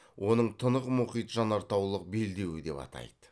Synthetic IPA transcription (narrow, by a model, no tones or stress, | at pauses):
wʔo̞nəɴt̪ʰənəʁmʊχijt̪ʒɑnɑɾt̪ɑwlˠəq̚be̞ld̪e̞wɪd̪e̞pɑ̰t̪ɑ̰jd̪ə̥